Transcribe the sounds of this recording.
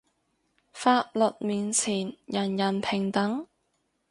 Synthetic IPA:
faː˧t̚lə˨t̚miː˨nt͡sʰiː˨˩njɐ˨˩njɐ˨˩npʰɪ˨˩ŋt̪ɐ˨˥ŋ

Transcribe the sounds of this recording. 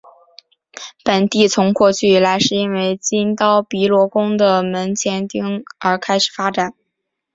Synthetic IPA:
pə˨˩nt̪i˥˩t͡sʰʊ˧˥ŋkwɔ˥˧t͡ɕʰy˥˩la˧˥ɪʂɻ̩˥˩i˥nwe˥˩ɪt͡ɕi˥nt̪ɑ˥ʊpi˧˥lwɔ˧˥kʊ˥ŋd̪ə˨mə˧˥nt͡ɕʰjɛ˧˥nt̪i˥ŋə˞˧˥kʰa˥ɪʂɻ̩˨˩fa˥ʈ͡ʂa˨˩˦n

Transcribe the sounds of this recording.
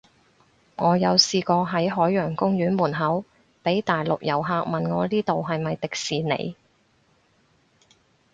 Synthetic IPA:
ŋɔː˨˧jɐ˨˧wsiː˧kɔː˧ɦɐ˨˥jɦɔː˨˥jːœː˨˩ŋkʊ˥ŋjyː˨˥nmuː˨˩nɦɐ˨˥w | pe˨˥jt̪aː˨jlʊ˨k̚jɐ˨˩wɦaː˧k̚mɐ˨nŋɔː˨˧liː˥t̪o˨wɦɐ˨jmɐ˨jt̪ɪ˨k̚siː˨nḛ˨˧j

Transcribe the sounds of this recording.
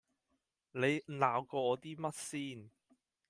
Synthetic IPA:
ne˨˧jlaː˨˧wkɔː˧ɔː˨˧t̪iː˥mɐ˥t̚siː˥n

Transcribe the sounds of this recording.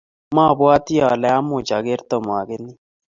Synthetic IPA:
ma˦˨bwa˦t̪i˦ja˨lɛ˦a˦mu˨t͡ʃa˨ɡe˦ɾt̪ɔ˨mo˨a˨ɡe˦nːi˦

